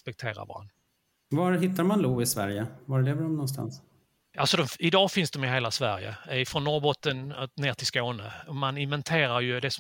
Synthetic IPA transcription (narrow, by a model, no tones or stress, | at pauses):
spɛk̚t̪ʰeːɾa̰vɑ̰ːɾa̰n | vaɾɦɪt̪ːaɾmanluːvɪsvæɾjəvaɾleːvɖɔmnɔnst̪a̰ns | alsɔd̪ɔmɪd̪ɑːfɪnsd̪ɔmɪɦeːlasvæɾjə̰ɪfɾɔnːɔɾbɔt̪ːənneːʈʰɪlskoːnəɔmanɪnvɛnt̪ʰeːɾaɾjɵd̪ɛsɔ